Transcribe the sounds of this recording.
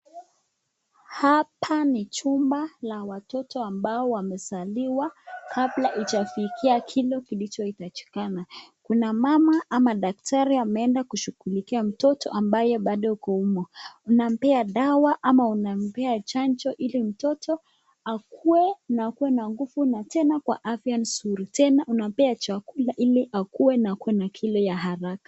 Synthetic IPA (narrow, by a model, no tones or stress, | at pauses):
hapʰanit͡ʃumbalawatɔtɔambaɔwamɛsaliwakʰablaʔit͡ʃafikʰiakʰilɔkilit͡ʃɔitat͡ʃi̥kanakunamamaʔamaɗak̚tʰaɾiamɛɛndakuʃuɣulikiam̩tɔtʰɔʔambajɛɓaɗɔukɔumɔunam̩pɛaɗawaʔamaunam̩pɛat͡ʃant͡ʃɔʔilim̩tɔtʰɔ | akʰuwɛnakuwɛnaŋɡufunatɛnakwa̰ʔafian̩suɾitɛnaʔunam̩pɛat͡ʃakulaʔiliʔakuwɛnakuwɛnakʰilɔjaɦaɾakḁ